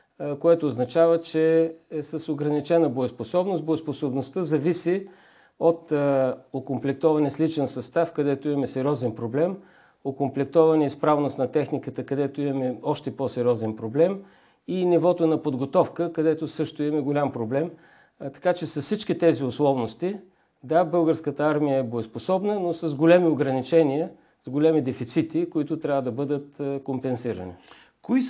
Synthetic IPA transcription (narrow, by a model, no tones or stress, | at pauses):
koɛt̪oːznɐt͡ʃavət͡ʃɛɛsəsoɡɾɐnit͡ʃɛnəboɛsposɔbnost̪̚boɛsposobnost̪əzɐvisi | ot̪okomplɛk̚t̪ɔvɐnɛslit͡ʃɛnsɐst̪afkɐd̪ɛt̪oimɐmɛsɛɾʲɔzɛnpɾoblɛm | okomplɛk̚t̪ɔvɐnɛispɾavnost̪nɐt̪ɛxnikət̪əkɐd̪ɛt̪oimɐmɛɔʃt̪ɛpɔsɛɾʲɔzɛnpɾoblɛm | inivɔt̪onɐpod̪ɡot̪ɔfkəkɐd̪ɛt̪ʊsɤʃt̪ʊimɐmɛɡolʲampɾoblɛm | t̪ɐ̥kat͡ʃɛsɐfsit͡ʃkit̪ɛziʊslˠɔvnost̪i | d̪abɤlˠɡəɾskət̪əaɾmijəɛboɛsposɔbnənosɐzɡolʲɛmioɡɾɐnit͡ʃɛniə | z̥ɡolʲɛmid̪ɛfit̪sit̪ikoit̪ʊt̪ɾʲavəd̪ɐbɤd̪ət̪kompɛnsiɾə̰nḭ | koi